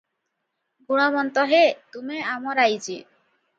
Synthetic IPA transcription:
ɡuɽ̃ɔmɔnt̪ɔɦet̪umeamɔɾajd͡ʒi

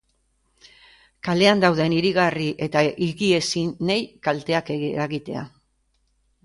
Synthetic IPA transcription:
kale̞and̪awðe̞niɾiɣ̞ariʔe̞t̪aʔiɣie̞sinejkalt̪e̞akeɾaɣit̪e̞̰a̰

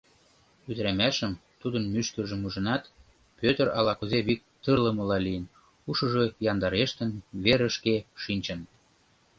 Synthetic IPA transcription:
yd̪ɾæmæʃə̆mt̪ud̪ənmyʃkəʒə̆muʒə̆nɑt̪ | pøt̪əɾɑlɑkuzeβik̚t̪ərlə̆mɤ̆lɑlijən | uʃɤ̆ʒojɑnd̪ɑɾeʃt̪ə̆nβeɾə̆ʃkeʃinʲt͡ɕə̆n

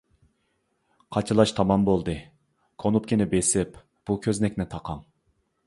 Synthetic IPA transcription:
qʰɑt͡ʃʰɨlˠɑʃt̪ʰɑmɑmbolˠd̪ɨ | kʰonupkʲinɪbesɪp | b̥ukʲʰøznɛkʲnɪt̪ʰɑqʰɑŋ

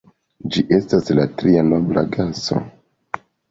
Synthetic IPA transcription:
d͡ʒiʔe̞staslatɾianobla̰ɡaso̞̰

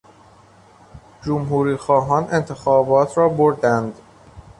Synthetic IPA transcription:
d͡ʒomɦuːɾiːxɒːɦɒːne̞nt̪ʰe̞xɒːbɒːt̪ʰɾɒːboɾd̪ænd̪

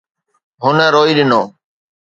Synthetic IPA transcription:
ɦʊnɛ̃ːɾoːiːɗɪnoː

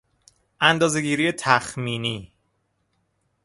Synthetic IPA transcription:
ʔænd̪ɒːze̞ɡiːɾijet̪ʰæxmiːniː

